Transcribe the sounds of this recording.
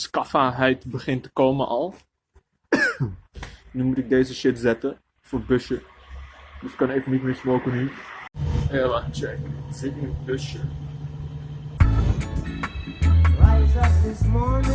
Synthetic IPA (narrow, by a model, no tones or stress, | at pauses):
skɑfaːɦɛjtbəχɪntə̥kowmənʔɑlˠ | nymutɪɡ̚dejzəʃɪtzɛtə | foːbøʃə | dəskɑnejvənitmɪːɹsmowkəny | elat͡ʃɛkzɪtɪnəbøʃə | ɹajzadɪsmɔɹnɪ